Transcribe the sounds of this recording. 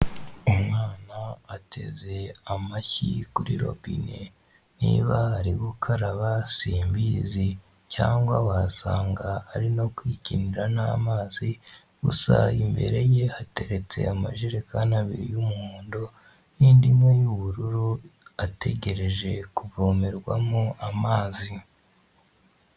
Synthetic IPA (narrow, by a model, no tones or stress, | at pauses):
umŋaːnaːtʰe̞̰ze̞amaçikuɾḭɾo̞̰bḭne | nḭβahaɾiɡukʰaɾaβasiːmbiːzi | caːŋɡwawasaːŋɡaːɾino̞kwiːciniɾanamaːzi | ɡ̥usa̰imbe̞̰ɾe̞je̞hate̞ɾe̞t͡se̞̰amaʒiɾekʰanaβiɾḭjumuhuːndo | niːndimŋe̞juβuɾuɾuatʰe̞ɟe̞ɾe̞ʒe̞kuvoːme̞ɾɡwa̰moamaːzi